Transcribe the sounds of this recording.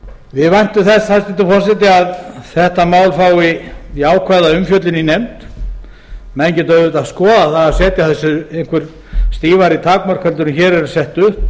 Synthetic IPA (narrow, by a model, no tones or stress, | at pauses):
vɪðvajn̥t̪ʏmθɛshast̪ɪt̪ɪfɔr̥sɛt̪̬ɪaðθɛht̪amaːwlfaːwɪiaːwkʰvajðaʏmfjœt̪lɪninɛmt̪ | mɛðɪɲcɛt̪œɾʏt̪aðskɔːðaθaðasɛːt̪jaθɛsːʏejŋ̥kʰvʏɾ̥ | st̪iːvaɾit̪ʰaːkmaɾ̥kʰvɛlʏɾʏnçɛːɾɛɾsɛht̪ʏh